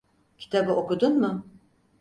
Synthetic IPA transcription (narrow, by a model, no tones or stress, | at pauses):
cʰi̥t̪ʰabɯʔo̞kud̪unmʊ